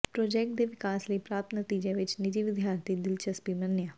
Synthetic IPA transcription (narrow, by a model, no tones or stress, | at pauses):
pɾɔːd͡ʒɛːk̚ʈ̚d̪eːʋɪkaːsləipɾaːp̚t̪nət̪iːd͡ʒeʋɪt͡ʃnɪd͡ʒiʋɪd̪ʱjaːɾt̪id̪ɪlt͡ʃəspimənːjaː